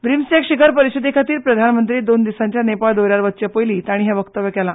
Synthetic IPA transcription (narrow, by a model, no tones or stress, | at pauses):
ʋɾimsekɕikʰəɾpəɾisid̪ʱikʰat̪iːɾpɾəd̪ʱanmənt̪ɾiːd̪ond̪isãɲt͡ɕjanepaɭd̪oɾjaɾʋət̪̚t͡ɕəpojliːt̪aɽ̃iɦɛʋəkt̪əʋjəkɛla